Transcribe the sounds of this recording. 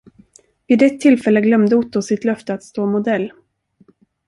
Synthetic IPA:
viːd̪ɛt̪ʰːɪlfɛlːəɡlœmd̪əʊt̪ːʊsɪt̪lœft̪əat̪st̪oːmʊd̪ɛlː

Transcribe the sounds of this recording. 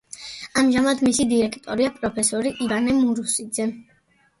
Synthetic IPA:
amʒamad̪misid̪iɾɛkʰt̪ʼɔɾiapʼɾɔpʰɛsɔɾiʔivanɛmuɾusid̪zɛ

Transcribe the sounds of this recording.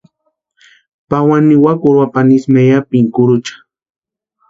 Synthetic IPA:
pawaniwakʊɾwapanismejapiŋkʊɾʊt͡ʃḁ

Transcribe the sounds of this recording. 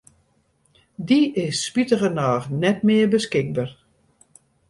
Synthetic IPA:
diɪsːpitəɣənaːχnɛtmɪərbəskɪk̚bar

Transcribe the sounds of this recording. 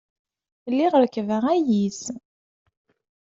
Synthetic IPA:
lːiʁəɾkːvəʁæjis

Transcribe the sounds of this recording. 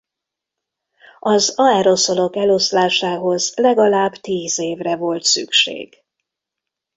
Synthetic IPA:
ɒzɒɛɾo̞so̞lo̞kɛlo̞slaːʃaːɦo̞zlɛɡɒlaːbt̪iːzeːvrɛvo̞lt̪sy̰kʃḛːɡ̥

